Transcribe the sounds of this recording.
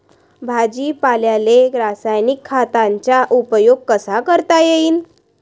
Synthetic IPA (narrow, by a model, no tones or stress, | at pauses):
bʱad͡ʑiːpaljaleɾasajnikʰːat̪ãɲt͡ɕjaʔupəjoɡ̚kəsakəɾt̪ajeiːn